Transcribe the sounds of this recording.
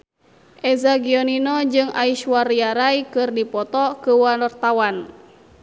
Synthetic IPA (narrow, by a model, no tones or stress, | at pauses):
ʔɛzaɡiɔninɔd͡ʒɨŋʔaiʃwariaɾaikɨrdipɔt̪ɔkəwanɔrt̪awan